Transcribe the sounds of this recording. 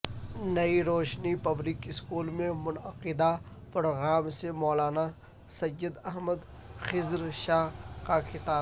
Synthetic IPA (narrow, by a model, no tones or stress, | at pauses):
nɐiɾoːʃnipɐblɪkɪskuːlmẽmʊnəqɪd̪a | pʊɾɣaːmsemɔːlaːna | sɐjəd̪ɐɦməd̪ | xɪzɾʃaːɦkakʰɪt̪aː